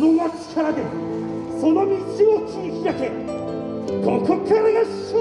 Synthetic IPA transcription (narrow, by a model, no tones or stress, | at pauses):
noɡat͡ɕi̥kʰaɾad̪e | sonomʲit͡ɕiot͡ɕikʲijake | kõkʰokʰaɾanoɕ | i